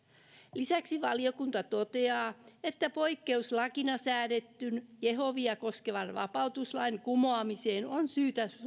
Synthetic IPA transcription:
lisæksiʋɑliokunt̪ɑt̪ot̪eɑːet̪ːæpoikːeuslɑkinɑsæːɾet̪ːynjeɦoʋiɑkoskeʋɑnʋɑ̰pɑut̪uslɑinkumoɑmiseːnonsyːt̪æ

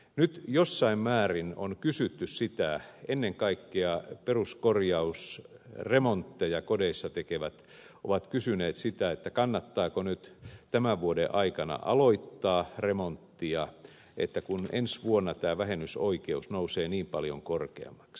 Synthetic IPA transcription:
nyt̪josːɑimmæːrino̰nkysyt̪ːyssit̪æenːeŋkɑikːeɑperuskorjɑusremont̪ːejɑkodeisːɑt̪ekeʋæt̪ | o̰ʋɑt̪kysyneːt̪sit̪æet̪ːækɑnːɑt̪ːɑːkonyt̪t̪æmæʋʋuodḛʔɑikɑnɑ̰ʔɑ̰loit̪ːɑːremont̪ːiɑ | ḛt̪ːækunʔḛnsʋuonːɑt̪æːʋæɦenːysoikeusnouseːniːmpɑljo̰ŋkorkḛɑ̰mːˑɑ̥ks

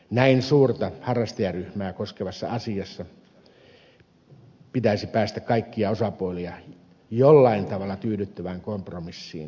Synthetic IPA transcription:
næinsuːrt̪ɑhɑrːɑst̪ɑjɑryhmæːkoskeʋɑsːɑ̰ɑsiɑsːɑ | pit̪æisipæːst̪ækkɑikːiɑosɑpuoliɑ | jolːɑint̪ɑʋɑlːˑɑt̪yːɾyt̪ːøʋæŋkompromisːḭːn

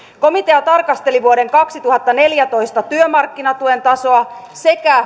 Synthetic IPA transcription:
ko̞mit̪eɑt̪ɑrkɑst̪e̞liʋuoɾe̞ŋkɑksit̪uhɑt̪ːɑne̞ljæt̪o̞jst̪ɑt̪yømɑrkːinɑt̪ue̞nt̪ɑso̞ɑse̞kæ

